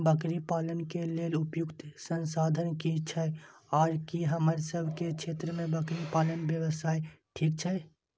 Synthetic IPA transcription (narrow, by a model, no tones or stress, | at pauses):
bəkɾipaːlənkelelʊpjʊkt̪sənsad̪ʱənkit͡ʃʰɛaːɾkiɦəməɾsəbʱkekt͡ʃʰet̪ɾəmẽbəkɾipalənbjəwəsaːiʈʰiːk̚t͡ʃʰɛ